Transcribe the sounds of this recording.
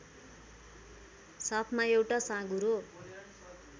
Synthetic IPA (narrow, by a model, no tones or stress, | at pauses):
sʌpʰmaewʈasãɡuɾo